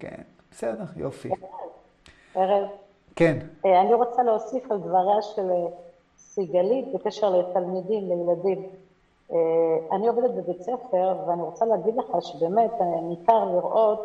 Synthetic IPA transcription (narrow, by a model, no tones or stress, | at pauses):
kḛn | b̥esedeʁjo̰fiev | eʁev | keneaniʁo̞t͡saleosifald̪vaʁaʃele | siɡalit̪̚bekeʃeʁlet̪almidimlejeladim | eanio̞ved̪et̪̚bebet͡sefe̞ʁveaniʁo̞t͡saleɦaɡid̪leχaʃebe̞ːme̞t̪nikaʁliʁʔo̞t̪